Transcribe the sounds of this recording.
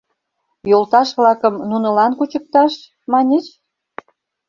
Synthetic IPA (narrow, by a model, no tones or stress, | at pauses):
jolt̪ɑʃβlɑkəmnunə̆lɑnkut͡ɕək̚t̪ɑʃ | mɑnʲet͡ɕ